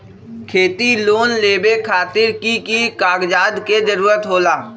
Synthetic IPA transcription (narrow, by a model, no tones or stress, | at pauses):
kʰeːt̪iloːnleːbekʰaːt̪ɪɾkikikaːɡd͡ʒaːd̪ked͡ʒəɾuːɾət̪ɦoːlaː